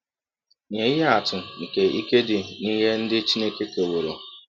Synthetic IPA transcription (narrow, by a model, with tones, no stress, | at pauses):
ɲe˨i˦ɦe˦a˨tʊ˨ŋ̩˨ke˨i˦ke˦dɪ˨ni˦ɦe˦n̩˦dɪ˦t͡ʃi˦ne˦ke˦ke˨wʊ˨ɾo˨